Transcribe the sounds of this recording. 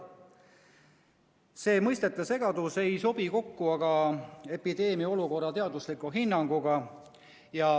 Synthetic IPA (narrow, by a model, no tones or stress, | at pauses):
se̞ːmɤjst̪e̞t̪ːˑɑse̞ɡɑd̪̥use̞jso̞b̥iko̞kːuɑɡ̥ɑe̞pid̪̥e̞ːmio̞luko̞rːɑt̪e̞ɑd̪uslikuɦinːɑŋɡ̥uɡ̥ɑ | jɑ